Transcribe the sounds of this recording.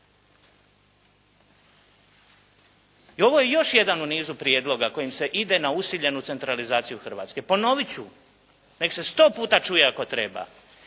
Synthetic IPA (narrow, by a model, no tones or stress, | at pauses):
io̞ʋo̞je̞jo̞ʃje̞d̪anuniːzupɾijeːd̪lo̞ɡako̞jimse̞ʔid̪e̞nausiʎe̞nut̪se̞nt̪ɾalizaːt̪sijuxr̩ʋa̰ːt̪ske̞po̞no̞ʋit͡ɕu | ne̞kse̞st̪o̞ːpuːt̪at͡ʃuːje̞ako̞t̪ɾe̞ba̰